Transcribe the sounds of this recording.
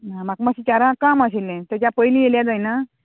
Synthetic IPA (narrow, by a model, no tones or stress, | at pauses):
ɦãm̤akmaɕit͡ɕaɾãkamasilɛ̃t̪at͡ɕjapəjlĩjeljãd͡zajna